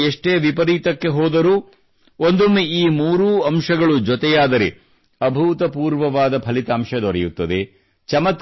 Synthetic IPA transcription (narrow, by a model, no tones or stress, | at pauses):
eʂʈeːʋipɐɾiːt̪ɐkːe̞ɦɔːd̪ɐɾuː | ond̪umːeiːmuːɾuːɐmʂɐɡɐɭud͡ʒɔt̪ɛjaːd̪ɐɾḛ | ɐbʱuːt̪ɐpuːɾʋɐʋaːd̪ɐpʰɐlit̪aːmʃɐd̪ɔɾɛjut̪ːɐd̪e̞ | t͡ʃɐmɐt̪